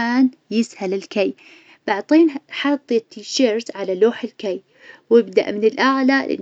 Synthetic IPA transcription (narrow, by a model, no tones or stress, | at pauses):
aːn | jɪshalɪlkaj | b̥aʕt̪ˤiːnħɑt̪ˤːet̪ːiːʃeɾt̪ʕalaloːħɪlkaj | wɪbd̪a̰ʔmɪnɪlʔaʕlalʔɪ̰